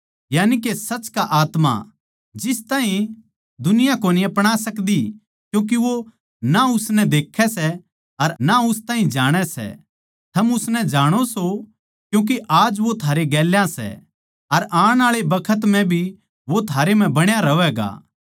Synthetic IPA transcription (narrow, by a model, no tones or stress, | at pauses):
jaːnikesɐt͡ʃkaʔaːt̪ma̰ | d͡ʒɪst̪aːɦĩ | d̪ʊnɪjãkoːniɐpɽ̃asɐkd̪i | kjũːk̬iʋo | naʊsnɛd̪eːkʰːɛsɛ | ɐɾnaʊst̪ãːɦĩd͡ʒaːɽ̃ɛsɛ̰ | t̪ʰɐmʊsnɛd͡ʒaːɽ̃oso | kjũːk̬iʔaːd͡ʒʋot̪ʰaːɾeɡɛːljãsɛ̰ | ɐɾãːɽ̃aːɭebɐkʰət̪m̤ɛ̃bʱi | ʋot̪ʰaːɾem̤ɛ̃bɐɽ̃jaɾɐʋɛːɡa̰ː